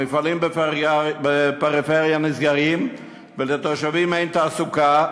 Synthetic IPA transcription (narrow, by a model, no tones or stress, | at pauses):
mifalimbebepeʁifeʁjanizɡaʁim | velet̪oʃavimejnt̪aːsuka